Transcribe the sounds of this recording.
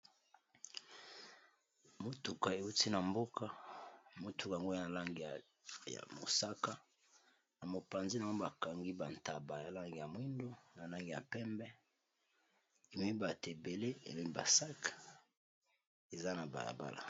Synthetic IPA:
mo˨tu˨ka˨e˨u˦ti˦na˨mbo˦ka˦mo˨tʰu˨ka˨a˨ŋɡo˦na˨la˦ŋɡi˨ | ja̰˨mo̰˨sa˦ka˦ | na˨mo˨pa˨nzi˦na˨ŋɡo˦ba˨ka˨ŋɡi˦ba˨nta˨ba˨ja˨la˦ŋɡi˨ja˨mwi˦ndo˦na˨la˦ŋɡi˨ja̰˨pɛ˦mbɛ˦ | e˨mi˦i˦ba˨te˨be˨le˦ḛ˨mi˦i˦ba̰˨sa˦kḁ˦ | e˨za˦na˨ba̰˨la̰˨ba̰˦la̰˨

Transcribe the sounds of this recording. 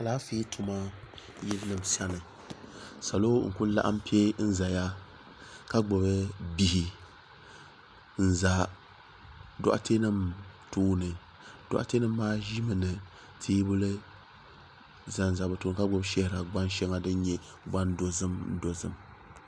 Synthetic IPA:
a˨laː˦fi˦tʰu˨ma˦ | jɛ˦lɨ˦nɨ˨msa˦nɨ˨ | sa˨lo˦ŋ̩˨ku˦la̰˦ʔa̰˦mpi˦ɛ˦n̩˦za˨ja˦ | ka˦ɡ͡bʊ˨bɨ˦bi˦˨hi˨ | n̩˦za˨ | dɔ̰˦ʔa̰˦tʰe˦nɨ˦mtuː˦nɨ˨ | d̥ɔ̰˨ʔa̰˦te˦nɨ˦mmaː˦ʒi˦mɨ˨nɨ˨ | tʰiː˦bʊ˦lɨ˦ | za˨n̩˨za˨bɨ˨tuː˨nɨ˨ka˦ɡ͡bʊ˦bʃɛ˦hɪ˨ɾa˨ɡ͡ba˦n˦ʃɛ˦ŋa˨dɨ˦ɲɛ˦ | ɡ͡ba˦ndo˨zɨ˦mdo˨zɨ̰˦m

